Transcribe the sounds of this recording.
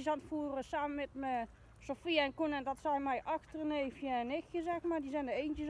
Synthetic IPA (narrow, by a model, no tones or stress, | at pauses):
santfuərəsaːmənmɛtmə | sofiɛnkunɛndɔtsɔmɛjʔɑxtərəneːfjəɛnɪxjəzɛxmardizɛndəeːntjə